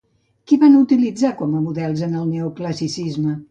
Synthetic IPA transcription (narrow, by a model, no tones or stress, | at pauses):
kiβanut̪ilid͡zakɔməmuðɛlˠzənəlˠneukləsisizmə